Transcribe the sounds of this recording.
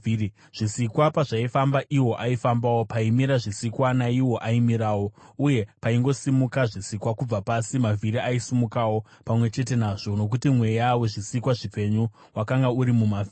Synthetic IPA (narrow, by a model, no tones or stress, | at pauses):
ʐ̥isikwapaʐaifambaʔiwo̞ʔaifambawo̞paimiɾaʐisikwanaiwo̞ʔaimiɾaːwo̞uje̞paiŋɡo̞simukaʐisikwakub͡vapasimavʱiɾiʔaisimukawo̞ | pamwe̞t͡ʃe̞te̞naʐo̞no̞k̬utimwe̞jaweʐisikwaʐipe̞ɲu | wakaŋɡauɾimumav